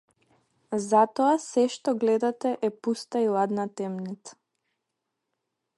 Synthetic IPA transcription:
zat̪ɔasɛʃt̪ɔɡlɛd̪at̪ɛʔɛpust̪ailˠad̪nat̪ɛmnit̪sḁ

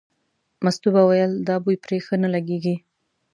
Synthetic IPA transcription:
mast̪ubawajəld̪ɑbujpɾexanalaɡeɡi

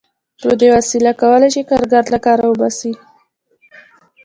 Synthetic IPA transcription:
pɾod̪ewasilakawəlajt͡ʃekaɾɡaɾt̪lakɑɾawəbɑsi

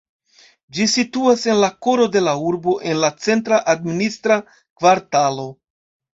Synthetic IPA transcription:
d͡ʒisituase̞nlako̞ɾo̞de̞lauɾbo̞ʔe̞nlat͡se̞ntɾaʔadministɾa | kvaɾtalo̞

